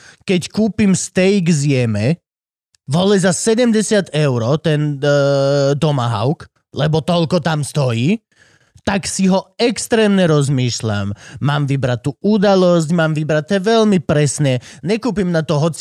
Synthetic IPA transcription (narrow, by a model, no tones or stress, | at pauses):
kɛckuːpimst̪ɛjɡzɪjɛmɛ | ʋɔlɛzasɛɟɛmɟɛsɪat̪ɛʊɾɔt̪ɛn | t̪ɔma̰ɦa̰ʊk | lɛbɔt̪ɔlkɔt̪amst̪ɔjiː | t̪aksiɦɔɛkst̪ɾɛːmɲɛɾɔzmiːʃla̰mːaːmʋibɾat̪ːuːʔud̪alɔsɟmaːmʋibɾat̪ːɛːʋɛlmipɾɛsnɛɲɛkuːpimnat̪ɔɦɔt͡s